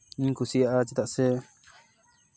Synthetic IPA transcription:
ĩŋkusiaʔat͡ʃit̪aʔse

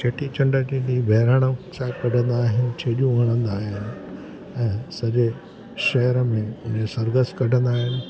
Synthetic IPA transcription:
t͡ʃeːʈʰit͡ɕɐ̃ɳɖəd͡ʑĩibʱɛːɾaɽ̃əsãkɐɖʱə̃nd̪aːɦɪnɪ̆t͡ɕʰeːʄũʋɐɽ̃ə̃nd̪aːɦɪnɪ̆ | ɛ̃ːsɐʄe | ʃɛɦɾəmẽʊnesɐɾɡəskɐɖʱə̃nd̪aːɦɪnɪ̆

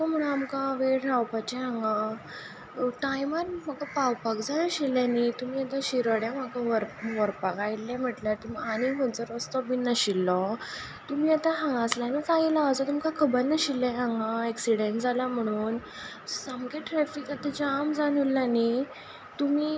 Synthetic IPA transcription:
ɔm̤əɽ̃ũamkãʋeʈɾawpat͡ɕɛɦãŋɡã | ʈajməɾmaɡapawpakd͡zanəɕilːãnit̪um̤iːat̪ãɕiɾʋəɽjãmakãʋəɾʋəɾpakajlːɛ̃m̤əʈlat̪imianiɦənt͡səɾʋəst̪ɔbinəɕilːɔ | t̪umiːat̪aɦãŋɡaslanikaɦilaʋəd͡zɔt̪umkakʰəbəɾnəɕilːɛ̃ɦãŋɡaeksiɽeɳʈd͡zalam̤əɽ̃uːn | samɡeʈɾɛfikat̪ad͡ʑamd͡zanulːani | t̪umiː

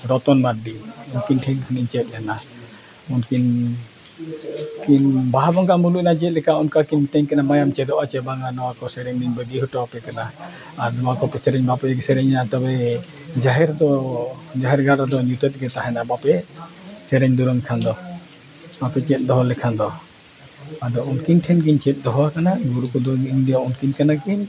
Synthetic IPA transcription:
ɾɔt̪ɔnmat̪̚ɖiɔnkinʈʰɛŋhʰuniɲt͡ʃɛt̪̚ˀɛna | ɔnkin | kinbaɦabɔŋkamulucnad͡ʒɛɛt̪̚lɛkaɔnkakint̪ɛɲkanamajamt͡ʃɛd̪ɔʔat͡ʃɛbaŋanɔwakɔsɛɾɛɲniɲbəɡiɦɔʈɔapɛkana | aɾnɔwakɔpɛsɛɾɛɲbapɛɡsɛɾɛɲnat̪ɔbɛ | d͡ʒaɦɛɾd̪ɔd͡ʒaɦɛɾɡʱaɾad̪ɔɲut̪ɛt̪̚ˀɡɛt̪aɦɛnabapɛ | sɛɾɛɲd̪uɾɔŋkʰand̪ɔ | bapɛt͡ʃɛt̪̚ˀd̪ɔɦɔlɛkʰand̪ɔ | ad̪ɔunkinʈʰɛnkiɲt͡ʃɛt̪̚d̪ɔɦɔakanaɡuɾukɔd̪ɔiɲdijaunkinkanakiɲ

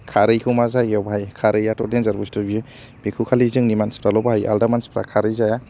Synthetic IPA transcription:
kʰaɾɯjkʰɯmazajɔbaɦajkʰaɾɯjatɔdenzaɾbustubiɯ | bikʰukʰalizɯŋnimanspɾalɔbaɦaja̰ldamanspɾa̰kʰaɾɯjzaja

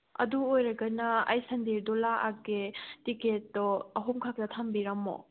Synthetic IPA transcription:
ɐ̰duojɾɐɡɐnɐɐjsɐndiɾdɔlaʔa̰ɡetiketːɔɐɦumkʰak̚tɐtʰambiɾɐmo̰

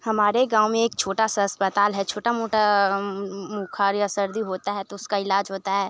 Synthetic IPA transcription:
hɐmaːɾeɡãːwmẽeːk̚t͡ʃʰoːʈasaɐspət̪aːlɦɛt͡ʃʰoːʈamoːʈa | mukʰaːɾjasəɾd̪iɦoːt̪aɦɛt̪oʊskaɪlaːd͡ʒɦoːt̪aɦɛː

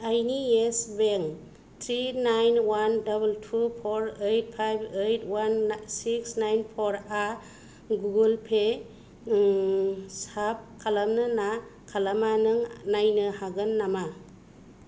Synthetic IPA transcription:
ajniesbeŋ | tʰɾinajnwandabultʰupʰoɾejt̚pʰajbejtʰwansiksnajnpʰɔɾa | ɡuɡulpʰe | sap̚kʰalamnɯnakʰalamanɯŋnajnɯhaɡɯnːama

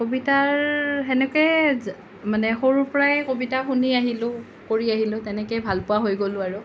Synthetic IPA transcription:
kobitaɹɛnɛkɔɛ | manɛxoɹupɔɹajkobitaxuniaɦilʊ | koɹiaɦilʊ̃tɛnɛkejbʱalpʊwaɦojɡolʊaɹʊ

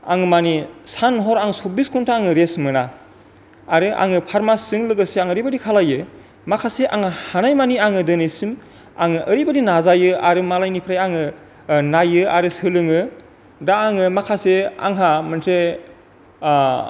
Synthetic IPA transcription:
a̰ŋɯmanisanɦɔɾaŋsobiskʰuntʰaaŋɯɾesmɯna | aɾɯʔa̰ŋɯpʰaɾmasɯŋlɯɡɯseaŋəɾibadikʰalajɯ | makʰaseʔa̰ŋɯhanajmaniaŋɯdɯnisin | aŋɯʔəɾibadinazajɯaɾɯmalajnipʰɾajaŋɯ | najɯaɾɯsɯlɯŋɯ | daːŋɯmakʰasea̰ŋɦamɯntʰɾe

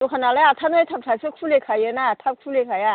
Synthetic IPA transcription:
tokʰanalajatʰanɯet̪ʰap̚tʰasʰɯk̚pʰulekʰajenatʰap̚k̚ʰulekʰaja

